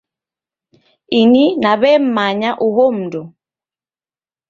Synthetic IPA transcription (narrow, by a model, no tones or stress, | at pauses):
ininaβɛm̩maɲaʔuɦɔm̩dɔ